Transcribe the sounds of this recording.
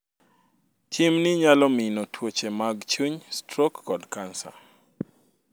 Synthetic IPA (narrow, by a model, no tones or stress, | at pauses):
t͡ʃimnɪɲalɔminɔtʰwot͡ʃemaɡt͡ʃuɲstɾokːɔdkansa̰